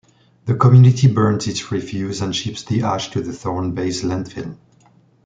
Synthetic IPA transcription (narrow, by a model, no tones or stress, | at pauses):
ðəkʰəmjʉnɪtʰibɜ̃˞nzɨtsɹifjʉzə̃nʃipsðiʔaʃtʰɨðəθɔ̃ʊnbeɪslæ̃ndfɪ̰lˠm